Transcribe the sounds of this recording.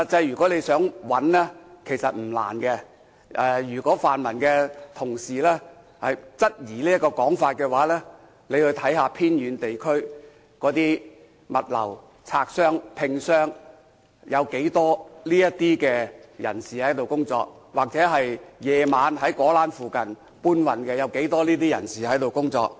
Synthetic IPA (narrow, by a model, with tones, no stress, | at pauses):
t͡sɐ˧jyː˨kɔː˨˥le˨˧jsœː˨˥ŋwɐ˨˥nlɛː˥kʰe˨˩jsɐ˨t̚m̩˨˩la̰ː˨˩nkɛ˧ | ɛ˨˧jyː˨˩kɔː˨˥faː˨nmɐ˨˩nkɛː˧t̪ʰʊ˨˩ŋsiː˨˩lɛː˥ | hɐ˨jt͡sɐ˥t̚jiː˨˩liː˥ɐ˥tkɔː˧kɔː˨˥ŋfaː˧t̚kɛː˧waː˨˥lɛː˥ | le˨˧jhɵ˧ɥt̪ʰɐ˨˥jɦaː˧pʰiː˥njyː˨˧nt̪e˨jkʰɵ˥ɥ | kɔː˨˥t̪iː˥ | mɐ˨t̚lɐ̰˨˩w | t͡sʰaː˧k̚sœː˥ŋpʰɪ˧ŋsœː˥ŋ | jɐ˨˧wke˨˥jt̪ɔː˥liː˥jɐ˥tt̪iː˥kɛː˧jɐ̰˨˩nsiː˨hɐ˨˥jt̪o˨wkʊ˥ŋt͡sɔ̰ː˧k̚ | waː˨k̚t͡sɛː˨˥ɦɐ˨jjɛː˨˧maː˨˧nɦɐ˨˥jkɔː˨˥laː˨˥nfuː˨kɐ˨n | puː˥nwɐ˨nkɛː˧jɐ˨˧wke˨˥jt̪ɔː˥liː˥t̪iː˥jɐ̰˨˩nsiː˨hɐ˨˥jt̪o˨wkʊ˥ŋt͡sɔ̰ː˧k̚